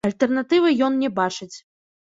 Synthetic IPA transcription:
ɐlʲt̪ɛrnat̪ɨvɨjɔnnʲɛbat͡ʂɨt͡sʲ

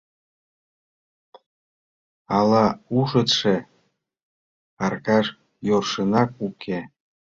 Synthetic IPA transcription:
ɑlɑuʃət̪ʃe | ɑrkɑʃ | jorʃənɑkukʰe

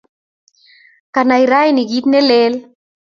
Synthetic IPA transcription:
kanajɾajniɡit̪nelel

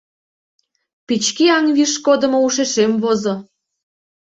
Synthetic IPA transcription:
pit͡ɕkiɑŋβiʃkod̪ə̆mouʃeʃemvozo

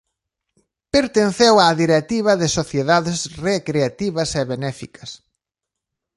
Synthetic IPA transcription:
peɾt̪enθewaːðiɾet̪iβ̞ɐðɪsoθjeðaðesrekɾeat̪iβɐsɛβenɛfikʰɐs

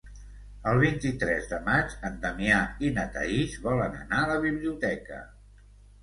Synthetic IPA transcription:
əlˠβ̞int̪it̪ɾɛzðəmad͡ʒənd̪əmiainət̪ə̰iʃβɔlənə̰naələβiβliut̪ɛkə̰

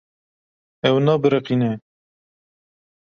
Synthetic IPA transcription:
ɛwnɑːbɨɾɨqiːnɛ

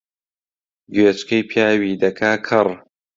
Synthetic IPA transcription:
ɡɥet͡ʃkɐjpʰjaːwiːd̪ɐkʰaːkʰɨr

